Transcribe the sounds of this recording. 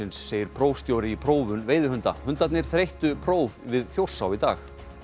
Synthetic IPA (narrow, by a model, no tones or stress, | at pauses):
ɪnsːeːjɪɾ̥pʰɾoːwfst̪jowɾɪipʰɾoːwvʏnveːjðʏhʏnt̪a̰hʏnt̪at̪nɪɾ̥θɾejht̪ʏpʰɾoːwvvɪðθjowr̥sawit̪a̰ːx